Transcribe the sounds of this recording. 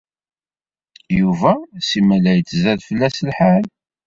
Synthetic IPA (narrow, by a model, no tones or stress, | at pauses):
juvæsimælæjət͡sːzæðfəlːæsəlħal